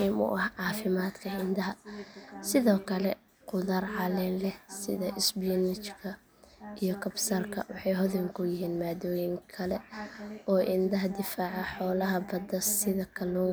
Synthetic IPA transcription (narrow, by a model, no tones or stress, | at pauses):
imʊ̰ʔɐhʕɑːfɪmaːd̪kʰɐɪnd̪ɐɦɐsɪðɔːkʰɐlɛ | qʊðɐrʕɑlɪnlɛhsɪðɐʔɪsbnɪt͡ʃkʰɐ | ijɞkʰɐbsɐrkʰɐ̰wɑ̰ħɑjɦɔðɪŋkʰʊjɪɦiːnmaːd̪ɔːjɪŋkʰɐlɛ | ɔːʔɪnd̪ɐɦɐd̪ɪfaːʕɑħɔːlɐɦɐbɐd̪ɐsɪðɐkʰɐlɔː